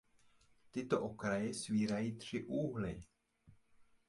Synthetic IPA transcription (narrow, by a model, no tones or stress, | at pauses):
t̪ɪt̪oʔokɾajɛsviːɾajiːt̪r̥ɪʔuːɦlɪ̰